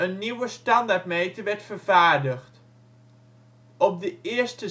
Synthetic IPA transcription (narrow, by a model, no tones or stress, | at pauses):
ənːiwəstɑndaɹtmejtəɹʋɛɹtfərvaːɹdəχt | ɔp̚dəɪɹstə